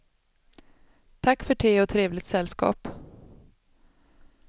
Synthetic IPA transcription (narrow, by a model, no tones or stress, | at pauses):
t̪ʰakːfœʈʰeːɔt̪ʰɾeːvlɪt̪sɛlskɑ̰ːp